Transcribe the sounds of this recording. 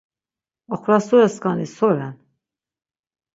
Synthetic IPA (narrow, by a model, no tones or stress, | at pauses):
ɔχɾasuɾɛskanisɔɾɛn